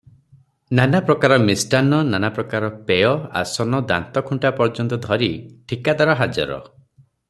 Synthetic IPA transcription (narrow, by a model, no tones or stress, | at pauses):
nanapɾɔkaɾɔmisʈanɔnanapɾɔkaɾɔpeɔa̰sɔnɔd̪a̰nt̪ɔkʰuɳʈapɔɾd͡ʒɔnt̪ɔd̪ʱɔɾiʈʰikad̪aɾɔɦad͡ʒa̰ɾɔ̰